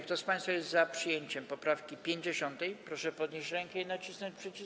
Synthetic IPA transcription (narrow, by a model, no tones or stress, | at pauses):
k̚t̪ɔspãj̃st̪fajɛst̪zapʂɨjeɲt͡ɕɛmpɔpɾafkʲipʲjeɲd͡ʑeɕɔnt̪ɛjpɾɔʂɛpɔd̪ɲeɕt͡ɕɾɛŋkɛinat͡ɕisnɔɲt͡ɕpʂɛt͡ɕi